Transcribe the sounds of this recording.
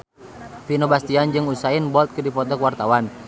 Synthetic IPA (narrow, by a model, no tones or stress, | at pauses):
finobast̪iand͡ʒɨŋusainbɔt̪̚kɨdipɔt̪ɔkwart̪awan